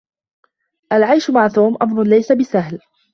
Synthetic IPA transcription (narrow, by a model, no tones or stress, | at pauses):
ʔalʕajʃmaʕt̪oːmʔamɾˤʊnlajsabɪsaɦl